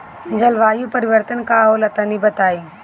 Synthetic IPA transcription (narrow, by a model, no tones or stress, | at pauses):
d͡ʒəlʋaːjupəɾɪʋəɾt̪ənkaɦoːlɐt̪ənibət̪aːiː